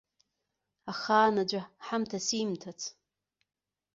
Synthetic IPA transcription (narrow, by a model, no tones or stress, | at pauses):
aχaːnad͡ʒʷaħamtʰasimtʰat͡sʰ